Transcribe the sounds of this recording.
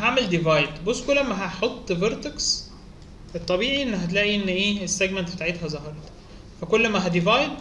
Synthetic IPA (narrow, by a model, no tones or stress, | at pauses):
ɦaʕmeld̪evɑjd̪bosːkolæmːæɦæħot̪ˤːveɾt̪eks | et̪ˤːɑbiːʕiʔenːɦæt̪̬læːʔiʔenːʔeːesːæɡmænt̪̚bet̪aʕet̪hæzɑɦɑɾˤɑt̪ | fækolːmæɦæd̪evɑjd̪